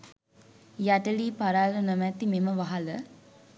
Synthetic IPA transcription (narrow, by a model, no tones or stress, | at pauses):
jaʈəliːpaɾaːlənəmæt̪imeməʋaɦalə